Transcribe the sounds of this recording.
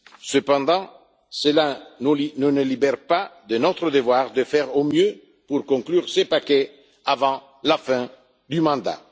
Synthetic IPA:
səpɑ̃d̪ɑ̃ | səlanunənəlibɛʁpad̪ənot̪ɾəd̪əvwaʁd̪əfɛʁomjø | puɾkɔ̃ŋklyːʁsepakɛ | avɑ̃ | lafɛ̃ | d̪ymɑ̃d̪a̰

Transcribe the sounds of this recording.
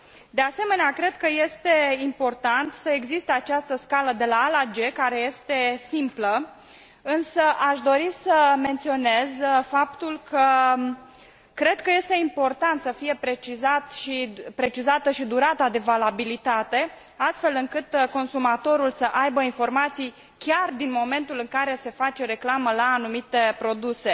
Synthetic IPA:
d̪e̞ase̞me̞neakɾe̞d̪kəje̞st̪e̞impo̞rt̪ant̪səe̞ɡzist̪eat͡ʃast̪əskaləd̪e̞laːlad͡ʒe̞kaɾe̞je̞st̪e̞simplə | ɨnsəʔaʃd̪o̞ɾisəme̞nt̪sio̞ne̞zfapt̪ulkʰə | kɾe̞d̪̚kəje̞st̪e̞impo̞rt̪ant̪səfije̞pɾe̞t͡ʃizat̪ʃipɾe̞t͡ʃizat̪əʃid̪uɾat̪ad̪e̞valabilit̪at̪e̞ | ast̪fe̞lɨŋkɨt̪ko̞nsumat̪o̞ɾulsəʔajbəinfo̞rmat̪sij | kʲard̪inmo̞me̞nt̪ulɨŋkaɾe̞se̞fat͡ʃe̞ɾe̞klaməlaːnumit̪e̞pɾo̞d̪use̞

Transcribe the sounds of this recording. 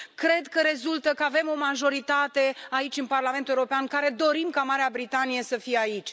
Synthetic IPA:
kɾe̞d̪kəɾe̞zult̪əkəave̞mo̞maʒo̞ɾit̪at̪e̞ait͡ʃʲɨnparlament̪euɾo̞peankaɾe̞d̪o̞ɾimkamaɾeabɾit̪anije̞səfijeait͡ʃʲ

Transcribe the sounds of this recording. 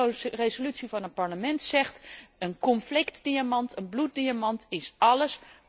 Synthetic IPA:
rezolytsivɑnətpɑɹləmɛntsɛχtənkɔnflɪktdiamɑntʰənblut̚diamɑntɪsɑləs

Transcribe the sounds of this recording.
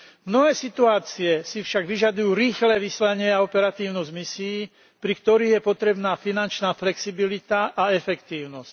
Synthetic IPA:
mnɔɦɛːsit̪uaːt͡siɛsifʃaɡʋiʒad̪ujuːɾiːxlɛːʋislaɲɪɛaɔpɛɾat̪iːʊnɔzmisiiː | pɾikt̪ɔɾiːɣjɛpɔt̪ɾɛbnaːfinant͡ʃnaːflɛksibilit̪aʔaɛfɛkt̪iːʊnɔsc̚

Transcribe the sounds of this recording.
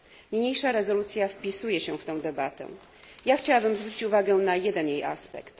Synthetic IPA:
ɲɲejʂaɾɛzɔlut̪sʲjafpʲisujɛɕɛ̃ft̪ɛ̃w̃d̪ɛbat̪ɛ̰̃ | jaxt͡ɕawabɘmzvɾut͡ɕit͡ɕuvaɡɛnajɛd̪ɛnjejʔaspɛ̰kt̪

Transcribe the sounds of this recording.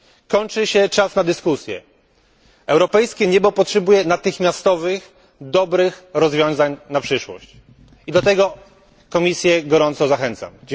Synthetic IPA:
kɔɲt͡ʂɘɕɛt͡ʂasnad̪ɘskusʲjɛ̰ | ɛwɾɔpɛjskʲɛɲɛbɔpɔtʂɛbujɛnat̪ɘxmʲjast̪ɔvɘx | d̪ɔbɾɘxɾɔzvʲjɔ̃w̃zaɲnapʂɘʂwɔ̰ɕt͡ɕ | id̪ɔt̪ɛɡɔ | kɔmʲisʲjɛɡɔɾɔnt̪sɔzaxɛnt̪sa̰m

